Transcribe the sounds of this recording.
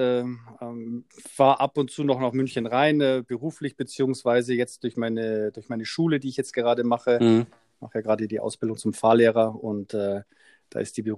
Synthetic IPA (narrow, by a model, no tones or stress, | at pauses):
ɛːʔɛːmfaːɐʔapʊntt͡suːnɔχnaχmʏnçənʁaɪnɛːbəʁuːflɪçb̥ət͡siːʊŋsv̥aɪzəjɛt͡std̥ʊɐçmaɪnəd̥ʊɐçmaɪnəʃuːlədiːɪçjɛt͡st̚ɡ̥əʁaːdəmaχə | ma̰χəjaːɡəʁaːdədiːʔa̰ʊsb̥ɪldʊŋt͡sʊmfaːleːʁɐʊntɛː | d̥a̰ːʔɪ̰st̚d̥iːbə